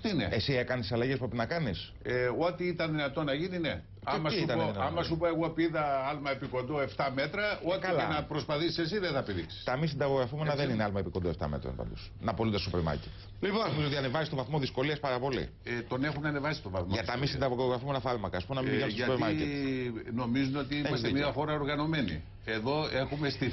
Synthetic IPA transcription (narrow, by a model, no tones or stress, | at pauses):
ot̪inḛesiekɐnisɐlɐʝespɾepinɐkɐnis | eo̞t̪iit̪ɐnðinɐt̪o̞nɐʝinine | ɐmɐsit̪ɐnnðinɐtɐmɐsupɐe̞ɣopiðɐɐlmɐepiko̞nd̪oe̞ft̪ɐme̞t̪ɾɐot̪klinɐpɾospɐθisi̥sesiðenθɐpiðiksi̥st̪ɐmisind̪ɐɣoɣɾɐfume̞nɐðenineɐlmɐepiko̞nd̪o̞ft̪ɐ̰met̪ɾo̰pɐ̰nd̪os | nɐpolund̪esosupeɾmɐ̰ɾcet̪ | lipoznomizot̪iɐne̞vɐzist̪ovɐθmoðisko̞liɐspɐɾɐpo̞lḭ | t̪o̞nexunɐnevɐsi̥st̪ovɐθmʝɐt̪ɐmisind̪ɐɣoɣooɣɾɐfume̞nɐfɐɾmɐkɐːspumenɐmibiɐmesospeɾmɐɾcet̪no̞mizuno̞t̪iiemɐst̪mɲiɐxo̞ɾɐo̞ɾɣɐno̞menḭ | e̞ðo̞exumest̪i